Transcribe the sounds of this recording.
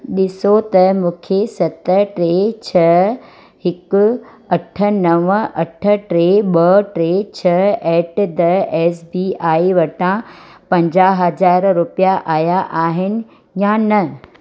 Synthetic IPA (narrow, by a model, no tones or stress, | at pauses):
ɗɪsot̪ɐmũːkʰesɐt̪əʈɾeːt͡ɕʰɐ | hɪkʊ | ɐʈʰə̆nɐʋəʔɐʈʰə̆ʈɾeːɓɐʈɾeːt͡ɕʰɐɛːʈd̪ɐɛːsbiːaːiʋɐʈãpɐ̃ɲd͡ʑaːɦɐd͡ʑaːɾɾʊpijaʔaːjaʔaːɦɪnɪ̆ | jãnɐ